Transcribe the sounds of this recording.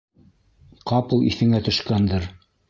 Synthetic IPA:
qɑpɤlˠḭθɘ̆ŋæt̪ɵ̆ʃkænd̪ɤɾ

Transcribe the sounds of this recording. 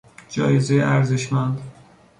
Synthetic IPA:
d͡ʒɒːjezejeʔæɾze̞ʃmænd̪

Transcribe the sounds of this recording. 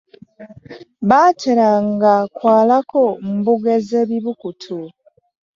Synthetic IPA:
βaːceɾaŋɡakwaːlakom̩buɡezeβiβukutʰu

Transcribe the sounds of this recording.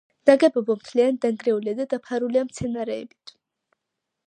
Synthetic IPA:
d̪̥aɡɛbɔbɔmt̪ʰliand̪aŋɡɾɛuliad̪ad̪apʰaɾuliamt̪sʰɛnaɾɛːbit̪ʰ

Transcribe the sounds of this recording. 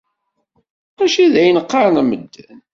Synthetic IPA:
æʃiðæjənəqːɑɾˤnæməd̪ːæn

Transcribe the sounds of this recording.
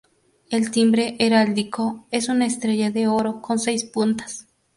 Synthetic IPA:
elt̪imbɾe̞ʔeɾald̪ikoesunaest̪ɾeʝaðeoɾo̞ko̞nsejspunt̪ḁs

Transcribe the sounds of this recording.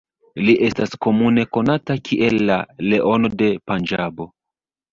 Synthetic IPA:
liʔe̞stasko̞mune̞ko̞natakʰiʔe̞lːale̞ʔo̞no̞de̞pand͡ʒabo̞

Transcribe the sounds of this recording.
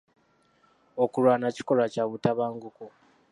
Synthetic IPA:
okuɾwaːnaci̥ko̞lacaβutaβaːŋɡuku

